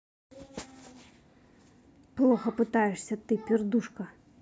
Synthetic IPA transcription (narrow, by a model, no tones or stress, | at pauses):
plˠɔxɐpɨt̪ajɛʂsʲɐt̪ɨpʲird̪uʂkɐ